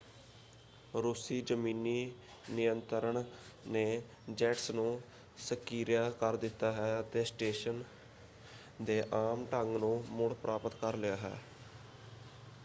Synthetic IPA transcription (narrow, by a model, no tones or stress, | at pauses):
ɾuːsiːd͡ʒəmiːniː | nɪjənt̪əɾəɳneː | d͡ʒɛːʈsnũː | səkiːɾjaːkəɾd̪ɪt̪ːaːɦɛːt̪eːsʈeːʃən | d̪eːʔaːmʈəŋɡnũːmʊɽpɾʔaːpət̪kəɾlɪjaːɦɛ̰ː